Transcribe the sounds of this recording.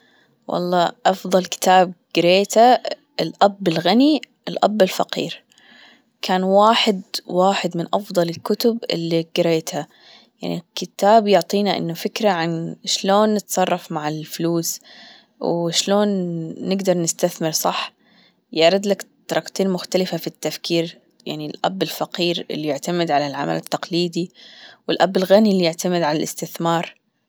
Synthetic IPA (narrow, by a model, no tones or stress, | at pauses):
wʔɑ̰lˤːɑːʔɑfðˤɑlkɪ̥t̪aːb̚ɡ̥ɪɾeːt̪a | ɪlʔabːɪlɣaniʔɪlʔa̰bːɪlfaqḭːɾ | kʰaːnwaːħɪd̪waːħɪd̪mɪnʔɑfd̪ˤɑlɪlkʊt̪ʊbɪ̰lːiɡɪɾeːt̪a | ja̰ʕnikɪt̪aːbjʊʕt̪ˤiːnaʔɪ̰nːʊfɪkɾaʕanʃloːnːɪt̪sˤɑrˤːɑfmaʕɪlfʊluːs | wʃloːnːɪɡd̪ɑɾˤnɪst̪aθmɪɾsˤɑħ | jaʕɾˤɑd̪lakt̪ːɑɾˤɑkt̪ˤeːnmʊxt̪alɪfafit̪ːafkiːɾ | ja̰ʕnilʔa̰bːɪlfaqiːɾɪ̰lːijɪʕt̪amɪd̪ʕalalʕa̰ma̰lɪt̪ːɑqliːd̪iwɪlʔabːɪlɣanilːjɪʕt̪amɪd̪ʕalalɪ̰st̪ɪθmɑːɾˤ